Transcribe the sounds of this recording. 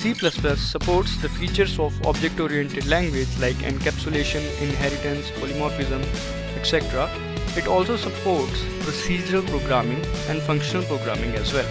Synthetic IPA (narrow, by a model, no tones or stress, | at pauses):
siːplɐsplɐsːəpoːɾʈsd̪əfiːt͡ʃəɾsɔːʋɔ̰ːbd͡ʒek̚ʈɔːɾiɛ̃ɳʈeɖlæ̃ŋɡʋed͡ʒlaɪkɪ̰̃ɳɖkæpt͡ʃʊleːʃə̃nɪ̃nɦɛɾɪʈə̃nspoːlimɔːfɪzə̃m | eʈsɛʈɾa | ɪʈɔːlsoːsɐpoːɾʈs | pɾosiːd͡ʒəɾəlpɾoːɡɾaːmɪ̃ŋɡɛ̃ɳɖfʌ̃ŋkʃənəlpɾoːɡɾa̰ːmɪ̃ŋɡɛzʋɛl